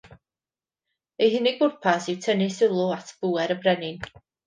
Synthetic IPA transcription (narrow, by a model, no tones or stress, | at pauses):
ejɦɪneɡʊrpʰasɪwtʰənɪsɪlˠʊatʰb̥uːɛɾəbrɛnɪn